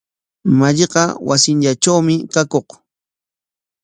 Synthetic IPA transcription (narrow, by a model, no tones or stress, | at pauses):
maʎeqɑwasɪnʎaʈ͡ʂawmɪkakoq